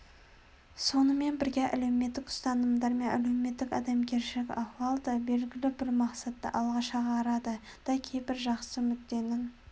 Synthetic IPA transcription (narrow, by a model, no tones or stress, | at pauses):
so̞nəme̞nbɪɾɡʲeʔæ̰lewme̞t̪ːɪkʊ̥st̪ɑnəmd̪ɑɾme̞næle̞wme̞t̪ːɪkɑ̰d̪ɑmkʲʰe̞ɾʃɪlɪkʲɑχwɑlˠd̪əbe̞lɡʲɪlɪbɪɾmɑqsɑt̪ːə̰ʔɑlˠʁɑʃɑʁɑːɾɑd̪ə | d̪̥ɑkʲʰe̞jbɪɾʒɑqsəmʏk̪̚d̪e̞nɪn